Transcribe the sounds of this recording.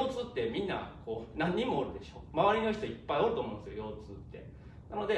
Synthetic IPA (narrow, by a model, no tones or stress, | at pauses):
oːt͡sɨt̪ːe̞mʲĩnːa̰kʰo̞ːnãɲ̟ːimo̞ːɾɯ̟d̪e̞ɕo̞̰ːmaβaɾʲino̞ç̬i̥t̪o̞ipːaioɾɯ̟omõnesjojo̞ːt͡sɨt̪ːe̞̰ | nano̞d̪e̞